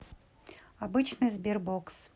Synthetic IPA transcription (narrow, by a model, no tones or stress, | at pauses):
ɐbɨt͡ɕnɨjzbʲerboks